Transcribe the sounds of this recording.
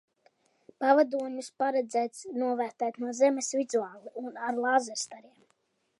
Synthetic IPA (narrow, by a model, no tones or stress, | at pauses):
pavad̪uɔɲuspaɾɛd̪zæːt̪snuɔvæːɾt̪æːt̪nuɔzɛmesvizuaːlˠiʔunaɾlˠaːzɛɾst̪aɾiɛm